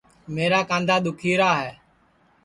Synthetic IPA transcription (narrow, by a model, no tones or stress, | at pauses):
meːɾaːkãːnd̪aːɗ̪ʊkʰiːɾaːɦɛː